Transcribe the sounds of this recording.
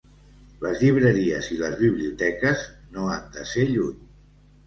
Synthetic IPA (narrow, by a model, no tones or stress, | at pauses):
ləzʎiβ̞ɾəɾiəziləzβiβliut̪ɛkəznoand̪əseʎuɲ